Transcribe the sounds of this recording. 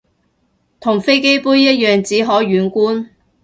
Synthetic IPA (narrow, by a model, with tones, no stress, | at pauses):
t̪ʰʊ˨˩ŋfe˥jke˥jpuː˥jjɐ˥t̚jœː˨ŋt͡siː˨˥ɦɔː˨˥ɥyː˨˥nkʷuː˥n